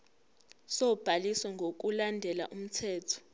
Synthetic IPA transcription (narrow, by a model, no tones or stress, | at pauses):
sɔb̥ʱaliswɛŋɡʱok̬ulandʱɛla̰ʔum̩tʰɛːtʰɔ̥